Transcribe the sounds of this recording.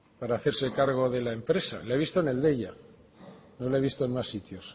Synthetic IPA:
paɾaːθe̞ɾse̞kaɾɣ̞o̞ðe̞laempɾe̞sa̰laeβist̪one̞ld̪eʎa | no̞laeβist̪oenmasːit̪jo̞s

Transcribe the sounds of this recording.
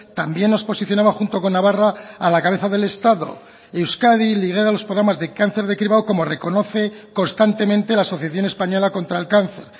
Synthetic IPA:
t̪ambje̞nːo̞spo̞siθjo̞naβaxunt̪o̞ko̞nːaβaraːlakaβe̞θaðe̞le̞st̪aðo̞̰ | e̞wskaðiliɣ̞e̞ɾalospɾoɣɾamazðe̞kanθe̞ɾð̞e̞kɾiβaoko̞mo̞re̞ko̞no̞θe̞ko̞nst̪ant̪e̞mẽnt̪e̞laːso̞θjaθjo̞nespaɲo̞lako̞nt̪ɾaelkanθe̞ɾ

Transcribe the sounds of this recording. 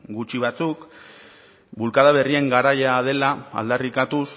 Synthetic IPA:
ɡut͡ʃiβ̞at͡suk | bulkaðaβe̞rie̞ŋɡaɾajað̞e̞laa̰ld̪arikat̪us

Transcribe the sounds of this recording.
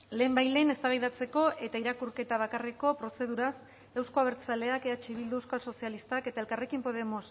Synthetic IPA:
le̞ːmbajle̞ne̞st̪aβajðat͡se̞ko̞ʔe̞t̪aiɾakuɾke̞t̪aβ̞akareko̞pɾo̞se̞ð̞uɾas | e̞wsko̞aβ̞e̞ɾt͡sale̞akeat͡ʃiβild̪uewskalso̞sialist̪ake̞t̪ae̞lkare̞kimpo̞ð̞e̞mo̞s

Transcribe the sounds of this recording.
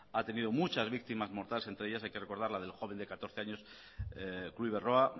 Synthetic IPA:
at̪e̞niðo̞mut͡ʃazβik̚t̪imazmo̞ɾt̪alese̞nt̪ɾe̞easajkereko̞ɾð̞aɾlaðe̞lxo̞β̞e̞nd̪e̞kat̪o̞ɾθe̞aɲo̞s | kluiβero̞a

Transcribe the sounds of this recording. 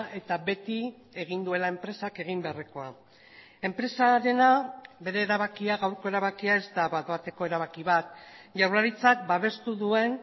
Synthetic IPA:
e̞t̪aβe̞t̪i | e̞ɣ̞ind̪ue̞lae̞mpɾe̞sake̞ɣ̞imbe̞areko̞a | e̞mpɾe̞saɾe̞nabe̞ɾe̞ːɾaβ̞akiaɣawɾko̞e̞ɾaβakiae̞ztd̪aβaðat̪e̞ko̞eɾaβ̞akiβat̪ʝawɾaɾit͡sak̚baβe̞st̪uðue̞n

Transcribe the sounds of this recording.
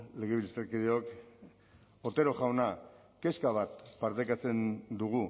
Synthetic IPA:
le̞ɣeβilist̪eɾkiðeok | oɾt̪eɾo̞ʝawna | ke̞skaβat̪paɾt̪ekat͡se̞nd̪uɣu

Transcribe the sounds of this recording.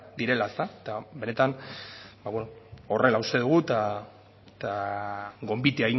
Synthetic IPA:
d̪iɾe̞laest̪aet̪abe̞ne̞t̪anbaβwenoo̞re̞laust̪e̞ðuɣ̞ut̪a | t̪a | ɡo̞mbit̪iaiŋ

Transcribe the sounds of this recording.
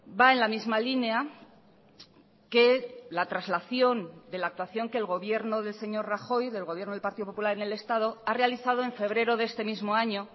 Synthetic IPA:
baenlamizmalinea | ke̞lat̪ɾazlaθjo̞nd̪e̞laːk̚t̪waθjo̞ŋkeːlɣo̞βje̞ɾno̞ðe̞lse̞ɲo̞ɾraxo̞jðe̞lɣoβjeɾnoðelpaɾt̪iðop̬opulaɾene̞le̞st̪að̞o̞arealiθað̞oe̞ɱfe̞β̞ɾe̞ɾo̞ðe̞st̪e̞mizmo̞aɲo̞

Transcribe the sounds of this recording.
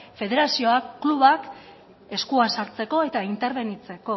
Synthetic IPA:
fe̞ðe̞ɾasio̞aluβak | e̞skuansaɾt͡se̞ko̞e̞t̪aint̪e̞ɾβe̞nit͡se̞ko̞

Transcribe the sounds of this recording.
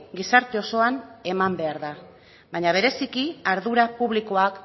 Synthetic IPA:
ɡisaɾt̪e̞o̞so̞ane̞mambe̞aɾða | βaɲaβ̞e̞ɾe̞sikiaɾðuɾapuβ̞liko̞ak

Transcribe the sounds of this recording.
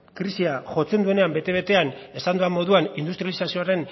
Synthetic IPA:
kɾisiaʝo̞t͡se̞nd̪ue̞ne̞ambe̞t̪e̞β̞e̞t̪e̞ane̞sand̪uamːo̞ðuanind̪ust̪ɾjalisasio̞aɾe̞n

